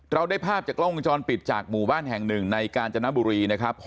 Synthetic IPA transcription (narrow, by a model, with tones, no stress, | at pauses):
ɾa˧wdaː˥˩jpʰaː˥˩p̚t͡ɕaː˨˩klo˥˩ŋʔŋt͡ɕɔː˧npi˨˩t̪̚t͡ɕaː˨˩k̚muː˨˩baː˥˩nɦɛ˨˩ŋnɯ˨˩ŋna˧jkaː˧nt͡ɕa˧na˦˥buː˧ɾiː˧na˦˥kʰa˦˥p̚ː